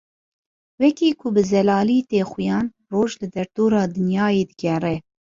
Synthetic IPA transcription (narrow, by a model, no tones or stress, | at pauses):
wɛkiːkʰʊbɨzɛlɑːliːt̪eːxʊjɑːn | roːʒlɨd̪ɛɾd̪oːɾɑːd̪ɨnjɑːjeːd̪ɨɡʲɛrɛ